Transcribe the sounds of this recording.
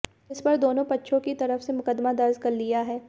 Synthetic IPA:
ɪspɐɾd̪oːnõpɐtːʃʰõkit̪ɐɾəfsemʊkəd̪mad̪ɐɾzkɐɾlijaɦɛː

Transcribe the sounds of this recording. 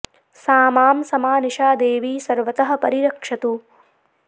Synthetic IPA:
saːmaːmsɐmaːniʃaːd̪eːʋiːsɐɾʋɐt̪ɐɦɐ̆pɐɾiɾɐkʂɐt̪u

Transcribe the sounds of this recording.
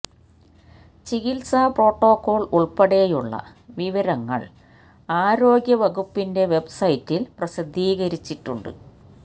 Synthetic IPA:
t͡ɕiɣilsapro̞ːʈːo̞ːkːo̞ːɭuɭpɐɽejuɭːɐ̰ | ʋiʋɐɾɐŋːɐ̰ɭ | aːɾo̞ːɡjɐʋɐɣupːinde̞ʋe̞bsɐjitːilprɐɕid̪ʱːiːɣɐɾit͡ɕːiʈːuɳɖɨ̰

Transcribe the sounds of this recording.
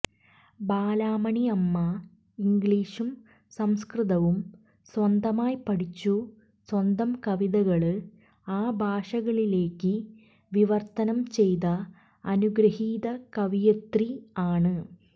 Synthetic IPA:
baːlaːmɐɳiɐmːɐ | iŋɡɭiːʂum | sɐmskrɨðɐʋum | swɐnd̪ɐmaːjpɐɽit͡ɕːu | swɐnd̪ɐmkɐʋiðɐɣɐɭɨ | aːbʱaːʂɐɣɐɭile̞ːkːɨ | ʋiʋɐrt̪ɐnɐmt͡ɕe̞jðɐː | nuɡɾɐhiːðɐkɐʋijɐt̪riaːɳɨ

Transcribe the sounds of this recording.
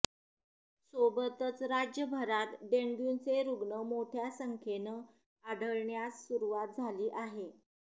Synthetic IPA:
sobət̪ət͡sɾad͡ʑjəbʱəɾat̪ɖeŋɡjunt͡seɾuɡɳəmot̪ʰjasəŋkʰenə | aɽəɭɳjasːuɾuʋat̪̚d͡zʱaliːʔaɦe

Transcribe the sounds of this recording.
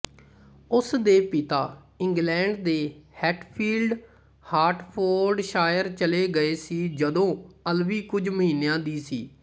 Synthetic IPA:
ʊsd̪eːpit̪aː | ɪŋɡlɛ̃ːɳɖd̪eːhɛːʈpʰiːlɖ | haːɾʈpʰoːɾɖʃaːjəɾt͡ʃəleːɡəeːsiːd͡ʒəd̪õːəlʋiːkʊd͡ʒməɦiːnːejãːd̪iːsiː

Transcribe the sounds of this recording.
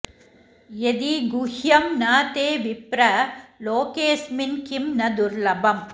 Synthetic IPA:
jed̪iɡʊhjɐmnaːt̪eːʋɪpɾɐloːkeːsmɪnkimnɐd̪ʊɾlɐbɐm

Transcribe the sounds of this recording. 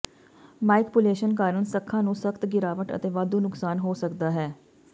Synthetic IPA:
maːɪkpʊleːʃənkaːɾəɳsəkʰːãːnũːsəkʰt̪ɡɪɾaːʋəʈə̰t̪eːʋaːd̪uːnʊksaːnɦoːsəkd̪aːɦɛː

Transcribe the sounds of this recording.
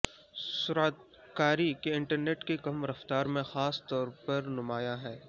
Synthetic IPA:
sʊɾat̪ | kaːɾikeɪ̃ɳʈəɾneːʈkekɐmɾɐft̪aːɾmẽxaːst̪ɔːɾpɐɾnʊmaːjaɦɛː

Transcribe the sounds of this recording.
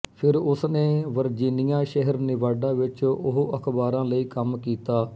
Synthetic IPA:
pʰɪɾʊsneːʋəɾd͡ʒiːnɪjãːʃɛɦəɾnɪʋaːɖãːʋɪt͡ʃʊɦəkʰbaːɾãːləiːkəmkiːt̪aː

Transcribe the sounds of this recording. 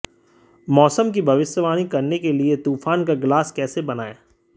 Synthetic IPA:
mɔːsəmk̬ibʱɐʋɪʃjəʋaːnikɐɾnekeliet̪uːfaːnkaɡlaːskɛːsebɐnaːeː

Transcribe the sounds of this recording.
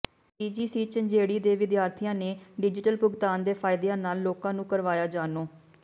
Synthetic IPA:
iːd͡ʒiːsiːt͡ʃənd͡ʒeːɽiːd̪eːʋɪd̪jaːɾt̪ʰijãːneːɖɪd͡ʒɪʈəlpʊɡt̪aːnd̪eːpʰaːɪd̪eãːnaːlːoːkãːnũːkəɾʋaːjaːd͡ʒaːnoː

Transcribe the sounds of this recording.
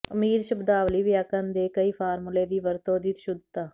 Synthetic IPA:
əmiːɾʃəbd̪aːʋliːʋjaːkãːnd̪eːkəiːpʰaːɾmuleːd̪iːʋəɾt̪õːd̪iːt̪ʃʊd̪t̪aː

